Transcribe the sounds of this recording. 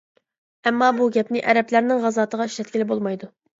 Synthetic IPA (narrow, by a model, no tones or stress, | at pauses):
ɛmːɑbuɡʲɛpnɪʔɛɾɛplæɾnɪŋʁɑzɑːt̪ʰəʁɑiʃlɛt̪̚kʲiɪlɪbolˠmɑjd̪u